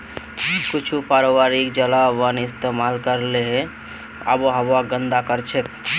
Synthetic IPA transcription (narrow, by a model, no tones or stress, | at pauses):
kʊt͡ʃʰupaɾoʋaɾikd͡ʒəlaʋənɪst̪emalkəɾleɦɛ̃ | ə̰boɦəbaɡə̃nd̪akəɾt͡ʃʰek̚